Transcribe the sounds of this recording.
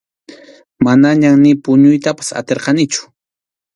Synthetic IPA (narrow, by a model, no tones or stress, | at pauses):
manaɲamnɪpʊɲʊjt̪apḁsa̰t̪eɾqɑnɪt͡ʃʊ̥